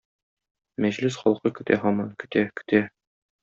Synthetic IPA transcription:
mæʑlɘsχɒlˠqɤkɵ̆t̪ʰæɦɒmɑnkɵ̆t̪ækɵ̥̆t̪æ

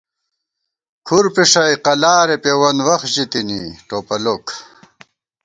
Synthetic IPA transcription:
kʰuɾpiʂɐjqɐlaːɾepewɐnwɐχʑit̪iniʈoːpɐlok

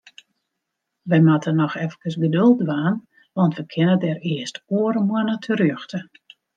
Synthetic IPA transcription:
ʋɛjmatənɔxɛfkəsɡədølˠtʋaːn | ʋɑntʋəkʰɪnətɛɾɪəstoəɾəmwənətʰərjøxtʰə

